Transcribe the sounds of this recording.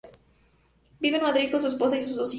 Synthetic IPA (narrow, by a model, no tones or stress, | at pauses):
biβenmaðɾikonsuesposasisuuzd̪osi